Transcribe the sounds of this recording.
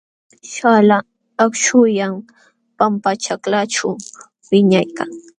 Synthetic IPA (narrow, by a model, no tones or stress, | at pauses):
ʃala | akʃʊjam | pampat͡ʃaklaʈ͡ʂaw | wɪɲajkaŋ